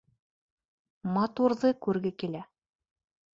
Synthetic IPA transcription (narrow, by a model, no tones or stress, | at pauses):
mɑt̪uɾðɤkʉɾɡɘkilæ